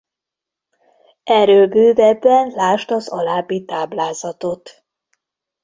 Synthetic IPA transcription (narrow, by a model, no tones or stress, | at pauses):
ɛɾøːɡøːvɛbːɛnlaːʃt̪ɒzɒlaːbːit̪aːblaːzɒt̪o̞t̪